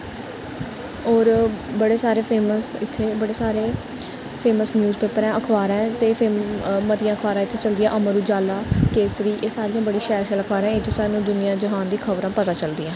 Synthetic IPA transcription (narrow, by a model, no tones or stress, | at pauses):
ɔːɾbəɽeːsaːɾeːpʰeːməsɪt̪ʰːeːbəɽeːsaːɾeː | pʰeːməsnjuːzpeːpəɾɛ̃ːəkʰʋaːɾɛ̃ːt̪eːpʰeːmət̪ɪjãːəkʰʋaːɾãːɪt̪ʰːeːt͡ʃəld̪ɪjãːʔəməɾuːd͡ʒaːlaːkeːsɾiːʔeːsaːɾɪjãːbəɽĩːʃɛːɾʃələkʰʋaːɾãːɪt͡ʃsaːɾnũːd̪ʊnɪjãːd͡ʒəɦaːnd̪iːkʰəʋɾãːpət̪aːt͡ʃəld̪ɪːãː